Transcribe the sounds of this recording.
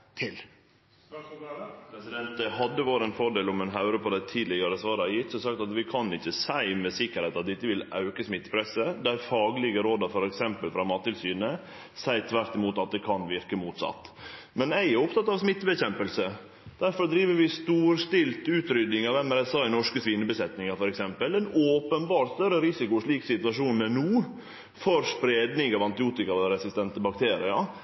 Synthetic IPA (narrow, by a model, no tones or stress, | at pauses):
t̪ʰɪl | ɛsɪd̪ɛnt̪əɦɑd̪ːəʋoːɾəɛnfɔɖeːlɔmɛnɦɑʉɾəpɔd̪ɛt̪ʰiːd̪lɪɡɑɾəsʋɑːɾəɑjɪt̪ːsɔsɑk̚t̪ɑt̪ʋɪkʰɑnɪçːəsæɪmɛsɪkːəɾheɪt̪ɑt̪̚d̪ɪt̪ːəʋɪlɑʉkəsmɪt̪ːə̥pʰɾɛsəd̪ɛæɾfɑːɡlɪɡəɾoːd̪ɑɾfɔɾɛksɛmpəlfɾɑmɑːt̪ːɪlsyːnə | sæɪt̪ʰʋæɾt̪ɪmuːt̪ɑt̪̚d̪ɛkʰɑnʋɪɾkəmuːt̪sɑ̰t̪ːmɛnæɪɛɾʊp̚t̪ʰɑt̪ːɑʋsmɪt̪ːbɛɕɛmpəlsə | d̪̥æɾfɔɾd̪ɾiːʋəɾʋɪst̪uːɾst̪ɪlt̪ʉːt̪ɾʏd̪nɪŋɑʋɛmɛɾɛsɑːɪnɔʂkəsʋiːnːəbəsɛt̪nɪŋɑfɔɾɛksɛmpəlɛnoːpənbɑːɾt̪st̪œɾəɾɪsɪkʊʂɭiːksɪt̪ʉɑʂuːnɛnuː | fɔɾspɾeːd̪nɪŋɑʋɑnt̪ɪuːt̪ɪkɑʋ̪ɛɾɛsɪst̪ɛnt̪əbɑk̚t̪ʰeːɾɪɑ